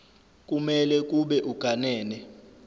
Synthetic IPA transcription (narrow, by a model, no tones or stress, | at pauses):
k̬ʼumɛlɛk̬ʼuɓɛʔuɡ̥ʱanɛːnɛ